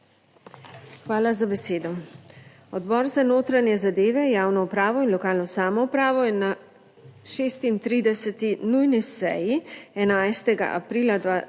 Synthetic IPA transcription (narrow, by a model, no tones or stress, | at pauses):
xʋaːlazabɛseːd̪ɔ | ɔd̪bɔːɾzanoːt̪ɾanjɛzad̪eːʋɛjaːwnɔupɾaːʋɔinlɔkaːlnɔsaːmɔupɾaːʋɔɛna | ʃeːst̪int̪ɾiːd̪ɛsɛt̪inujnisɛ̰jiɛnajst̪ɛɡa̰ʔa̰pɾiːlad̪ʋa